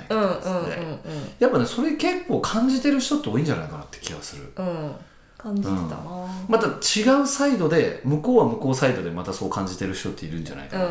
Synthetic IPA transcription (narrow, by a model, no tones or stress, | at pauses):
aɯ̃d̪ḛ̃japːaneso̞ɾeke̞kːo̞ːkʰãɲ̟d͡ʑit̪e̞ɾɯ̟çi̥t̪o̞t̪ːeoĩːɲd͡ʑana̰ikanat̪ːekʲʰiɡa̰sɨɾɯ̟̰ | kaɯ̃mat̪at͡ɕiɡaɯ̟said̪o̞d̪e̞mɯ̟ko̞ːβamɯ̟ko̞ːsaid̪o̞d̪e̞mat̪aso̞ːkãɲ̟d͡ʑit̪e̞ɾɯ̟çi̥t̪o̞t̪ːeiɾɯ̟̃ɲd͡ʑa̰na̰ik